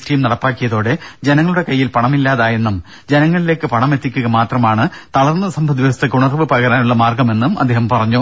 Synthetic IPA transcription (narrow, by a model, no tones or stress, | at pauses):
tiːmnɐɽɐpːaːkːijɐðoːɽed͡ʑe̞nɐŋːɐɭuɽe̞kɐjːilpɐɳɐmilːaːðaːje̞nːum | d͡ʑe̞nɐŋːɐɭile̞ːkːɨpɐɳɐme̞t̪ːikʲːuɣɐmaːt̪rɐmaːɳɨt̪ɐɭɐrnːɐsɐmbʱɐd̪iʋɐst̪ːekuɳɐrɐʋɨpɐɣɐɾaːnuɭːɐmaːrɡɐme̞nːumʔɐ̰d̪ːe̞ːɦɐmpɐrɐɲːu